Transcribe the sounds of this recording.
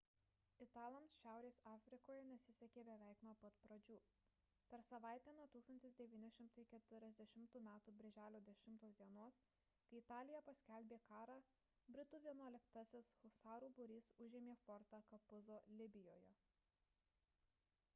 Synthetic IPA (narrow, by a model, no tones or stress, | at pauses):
ɪt̪ɑːlˠomsʃʲæˑʊɾʲeːsɑːfʲɾʲɪkoːjɛnʲɛsʲɪsʲɛkʲeːbʲɛʋʲæˑɪknuɔpɐt̪pɾɐd͡ʒʲuː | pʲɛɾsɐʋɑˑɪt̪ʲæːnuɔt̪uːkst̪ɐnʲt̪ʲɪsd̪ʲɛʋʲiːnʲɪʃʲɪmt̪ɐɪkʲɛt̪ʲʊɾʲɛzʲd̪ʲɛʃʲɪmt̪uːmʲæːt̪uːbʲɪɾʲʒʲæːlʲoːd̪ʲɛʃʲɪmt̪oːsd̪ʲiɛnoɔs | kɐɪɪt̪ɑːlʲɪjɛpɐsʲkʲɛlʲbʲeːkɑːɾɑː | bʲɾʲɪt̪uːʋʲiɛnuɔlʲɪkt̪ɐsʲɪshʊsɑːɾuːbʊɾʲiːsʊʒʲeːmʲeːfɔɾt̪ɑkɐpʊzoːlʲɪbʲɪjo̰ːjɛ